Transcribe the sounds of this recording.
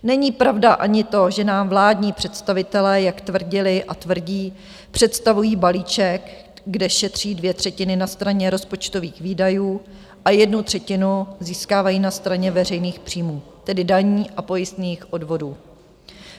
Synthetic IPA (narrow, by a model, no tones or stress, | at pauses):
nɛɲiːpɾavdaʔaɲɪt̪o̞ʒɛnaːmvlaːdɲiːpr̝̥ɛt̪st̪avɪt̪ɛlɛːjakt̪vr̩ɟɪlɪʔat̪vr̩ɟiː | pr̥ɛt̪st̪avujiːbaliːt͡ʃɛk | ɡdɛʃɛt̪r̝̥iːdvjɛt̪r̝̥ɛcɪnɪnast̪ɾaɲɛɾo̞spot͡ʃt̪o̞viːxviːdajuː | ʔajɛdnut̪r̝̥ɛcɪnuziːskaːvajiːnast̪ɾaɲɛvɛrɛjniːxpr̥iːmuː | t̪ɛdɪdaɲiːʔapo̞jɪst̪ɲixʔo̞dvo̞duː